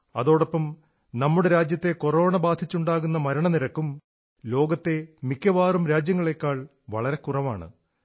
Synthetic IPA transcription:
ɐ̰ðo̞ːɽɐpːɐm | nɐmːuɽeɾaːd͡ʑjɐt̪ːe̞ko̞ro̞ːɳɐbaːd̪ʱit͡ɕːuɳɖaːɣunːɐmɐɾɐɳɐniɾɐkːum | lo̞ːɡɐt̪ːe̞mikʲːɐʋaːrumɾaːd͡ʑjɐŋːɐɭe̞kːaːɭ | ʋɐɭɐɾe̞kurɐʋaːɳɨ̰

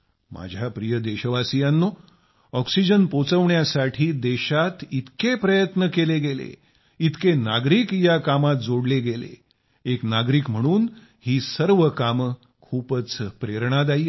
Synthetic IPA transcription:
mʔa̰d͡ʑʱjapɾijəd̪eɕəʋasijanːo | ɔksid͡ʑənpot͡səʋɳjasaʈʰiːd̪eɕat̪it̪kepɾəjət̪nəkeleɡelḛ | it̪kenaɡɾiːkjakamat̪̚d͡zoɽleɡelḛ | eknaɡɾiːkm̤əɽ̃uːn | hiːsəɾʋəkam | kʰuːpət͡spɾeɾɳ̃ad̪̬aiː

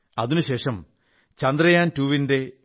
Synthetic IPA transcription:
ɐðinuɕe̞ːʂɐm | t͡ɕɐnd̪rɐjaːntuːʋinde̞

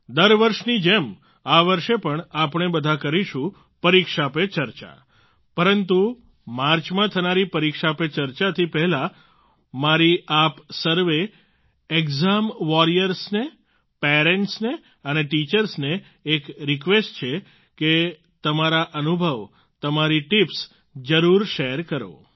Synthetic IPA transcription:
d̪əɾʋəɾʃnid͡ʒem | aʋəɾʃepəɳapɳebəd̪ʱakəɾiʃũ | pəɾikʃapet͡ʃəɾt͡ʃa̰ | pəɾənt̪u | maɾt͡ʃmãt̪ʰənaɾipəɾikʃapet͡ʃəɾt͡ʃat̪ʰipɛɦɛla | maɾiapsəɾʋe | ekzamʋɔɾijəɾsne | peɾeɳʈsne | əneʈit͡ʃəɾsneː | kɾikʋesʈt͡ʃʰe | ke | t̪əmaɾaʔənubʱəʋ | t̪əmaɾiʈips | d͡ʒəɾuɾʃeɾkəɾo̰

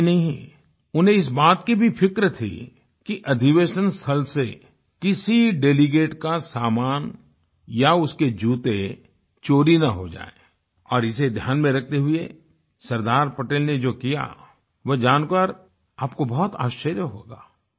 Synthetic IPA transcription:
nɐɦɦĩ | ʊnɦẽɪs̬baːt̪kibʱipʰɪkɾət̪ʰḭ | kiʔɐd̪ʱiʋeːʃənst̪ʰəlse | kɪsiɖeːliɡeːʈkasaːmaːn | jaʊsked͡ʒuːt̪e | t͡ʃoːɾinɐɦod͡ʒa̰ːe | ɔːɾɪsed̪ʱjaːnmẽɾɐk̚ʰt̪eɦʊe | sɐɾd̪aːɾpɐʈeːlned͡ʒoːkija̰ | ʋod͡ʒaːnkəɾ | aːpkobɔɦʊt̪a̰ːʃəɾjəɦo̰ːɡa̰ː

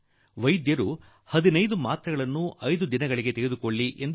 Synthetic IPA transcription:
ʋɐjd̪jɐɾu | hɐd̪inɐjd̪umaːt̪ɾɐɡɐɭɐnːuʔɐjd̪ud̪inɐɡɐɭiɡe̞t̪eɾed̪ukoɭːiʔend̪

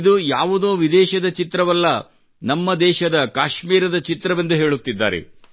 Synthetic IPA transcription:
d̪ujaːʋud̪oːʋid̪ɛːʃɐd̪ɐt͡ʃit̪ɾɐʋɐlːɐ | nɐmːɐd̪ɛːʃɐd̪ɐkaːʃmiːɾɐd̪ɐt͡ʃit̪ɾɐʋend̪uɦe̞ːɭut̪ːid̪ːa̰ːɾḛ

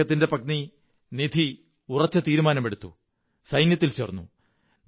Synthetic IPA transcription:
ɐt̪ːinde̞pɐkni | nid̪ʱi | urɐt͡ɕːɐt̪iːɾumaːnɐmeɽut̪ːṵ | sɐjnjɐt̪̬ːilt͡ɕeːrnːṵ | n

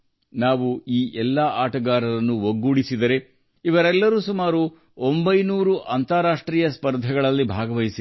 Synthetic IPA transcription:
naːʋuiːʔɛlːɐaːʈɐɡaːɾɐɾɐnːuʋoɡːuːɽisid̪ɐɾe̞ | iʋɐɾɛlːɐɾuːsumaːɾu | ombɐjnuːɾuʔɐnt̪aːɾaːʂʈɾiːjɐspɐɾd̪ʱɐɡɐɭɐlːibʱaːɡɐʋɐjisi

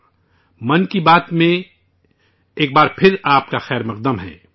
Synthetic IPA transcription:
mɐnkibaːt̪mẽ | eːk̚baːɾpʰɪɾaːp̚kaxɛːɾmɐq̚d̪əmɦɛ̰ː

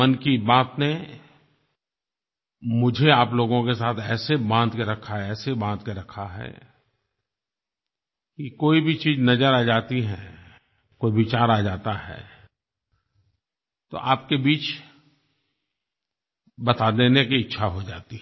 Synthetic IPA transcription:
ɐnkibaːt̪ne | mʊd͡ʒʱeaːploːɡõkes̬aːt̪ʰɛːsebãːd̪keɾɐkʰaɦɛɛːsebãːd̪keɾɐkʰaɦɛ̰ː | kikoːibʱit͡ʃiːznɐd͡ʒəɾaːd͡ʒaːt̪iɦɛː | koːibɪt͡ʃaːɾaːd͡ʒaːt̪aɦɛ̰ː | t̪o̰ʔaːp̚kebiːt͡ʃ | bɐt̪ad̪eːnekiɪtːʃʰaɦod͡ʒaːt̪i

